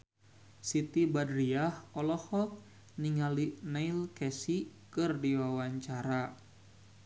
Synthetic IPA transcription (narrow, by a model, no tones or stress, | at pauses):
sit̪ibadɾiahɔlɔhɔk̚ | niŋalinailkɛsikɨrdiwawaɲt͡ʃaɾa